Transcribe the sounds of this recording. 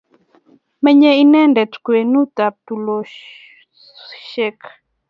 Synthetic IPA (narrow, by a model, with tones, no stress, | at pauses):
mɛ˦ɲɛ˦i˦nɛ˦ndɛ˨tkwe˨nu˦t̪a˨p̚t̪u˨lo˨ | ʃɛ˦k